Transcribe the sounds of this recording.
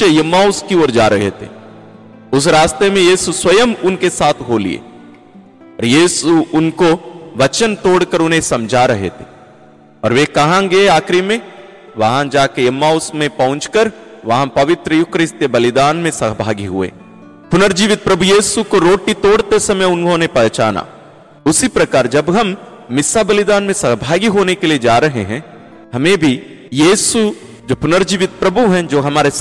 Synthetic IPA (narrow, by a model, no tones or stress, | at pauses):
ejɐmːaːʊskioːɾd͡ʒaːɾɐɦḛt̪ʰḛ | ʊs̬ɾaːst̪emẽjiːsuswɐjəmʊnkesaːt̪ʰɦoːlḭḛː | ɔːɾjiːsuʊnkoʋɐt͡ʃənt̪oːɽkəɾʊnɦẽsɐmd͡ʒʱaɾɐɦḛt̪ʰe | ɔːɾʋekɐɦãɡeaːkɾimẽ | ʋɐɦãd͡ʒaːkejɐmːaːʊsmẽpɐ̃ʊ̃t͡ʃkəɾʋɐɦãpɐʋɪt̪ɾəjʊkɾɪst̪jəbɐlɪd̪aːnmẽsɐɦbʱa̰ːɡiɦʊ̰ḛː | pʊnəɾd͡ʒiːʋɪt̪̚pɾɐbʱujiːsukoɾoːʈit̪oːɽt̪esɐməjʊnɦõnepɛɦt͡ʃa̰ːna̰ː | ʊsipɾɐkaːɾd͡ʒɐbɦɐmː | ɪsabɐlɪd̪aːnmẽsɐɦbʱaːɡiɦoːnekelied͡ʒaːɾɐɦḛɦɛ̃ː | ɦɐmẽbʱi | jiːsu | d͡ʒoːpʊnəɾd͡ʒiːʋɪt̪̚pɾɐbʱuɦɛ̃d͡ʒoːɦɐmaːɾe